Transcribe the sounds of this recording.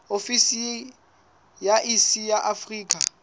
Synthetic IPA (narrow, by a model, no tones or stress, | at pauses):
ofisi | jaʔisijaʔafriːkʼa